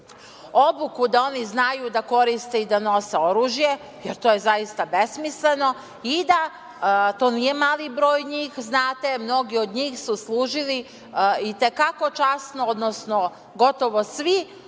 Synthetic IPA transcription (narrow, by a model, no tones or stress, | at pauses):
obukud̪ao̞niznajud̪ako̞ɾist̪e̞id̪ano̞se̞o̞ɾuːʒje̞ | jeɾt̪oːje̞zajist̪abe̞smisle̞no̞ | id̪a | t̪o̞ːnije̞maːlibɾo̞ːjɲiːxznaːt̪e̞mno̞ɡio̞d̪ɲiːxsuslˠuːʒili | it̪ekako̞t͡ʃasnood̪nosno | ɡo̞t̪o̞ʋosʋi